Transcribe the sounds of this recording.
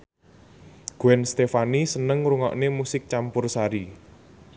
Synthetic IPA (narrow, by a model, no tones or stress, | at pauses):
ɡ̥uɛnst̪efanisənəŋɾuŋɔ̰ʔnemusɪk̚t͡ʃampʊrsaɾi